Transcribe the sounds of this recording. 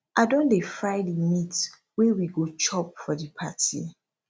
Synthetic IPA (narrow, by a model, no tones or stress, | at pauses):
ʔaɪdõndefɹaɪdimit | wewiɡot͡ʃɔp̚fɔdipʰatʰḭ